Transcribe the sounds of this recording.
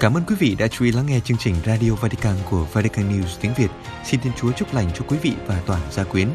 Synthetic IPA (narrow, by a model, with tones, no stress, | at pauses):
kaː˧˩məː˧nkwi˨˦vḭ˧˨ɗa̰ː˧˥t͡ɕu̥˧ʔi˨˦laː˨˦ŋɛ˧t͡ɕɨ˧əŋt͡ɕï˨˩ŋ̟zaː˧ɗi˧o˧vaː˧t̪i̥˧kaː˧nku˧˩əvaː˧t̪i˧kaː˧nːi˧wzt̪i˨˦əŋvi˨˩ət̚ | si˧nt̪ʰi˧ənt͡ɕu˨˦ət͡ɕʊ˦˥p̚la̰˨˧˩jŋ̟t͡ɕɔ˧kwi˨˦vḭ˧˨vaː˨˩t̪waː˧˩nzaː˧kwi˨˦ən